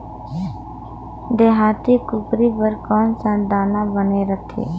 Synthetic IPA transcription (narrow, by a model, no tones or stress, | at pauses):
d̪eːɦaːt̪iːkʊpɾiːpəɾkɔːnsãːnd̪aːnãːbəneːɾət̪ʰḛː